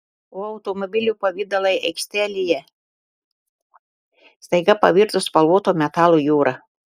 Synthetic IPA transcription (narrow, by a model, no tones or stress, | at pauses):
oːɐʊt̪ɔmɔbʲɪlʲuːpɐʋʲiːd̪ɐlˠɐɪɛɪksʲt̪ʲæːlʲɪjɛ | st̪ɐɪɡɐpɐ̰ʋʲiːɾt̪ʊspɐlˠʋuːt̪oːmʲɛt̪ɑːlˠojuːɾɐ